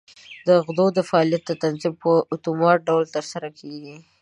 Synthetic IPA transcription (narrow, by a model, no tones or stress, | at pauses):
d̪əɣd̪od̪əfaɑlijat̪̚d̪ət̪anzimpəʔʊt̪umɑʈ̚ɖawlt̪əɾsaɾakʰeɡi